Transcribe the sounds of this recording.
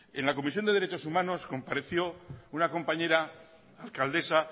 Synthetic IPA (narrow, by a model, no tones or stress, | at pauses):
e̞nlako̞misjo̞nd̪e̞ðɾe̞t͡ʃo̞sumãno̞sko̞mpaɾe̞θjo̞unako̞mpaɲe̞ɾa | alkald̪e̞sa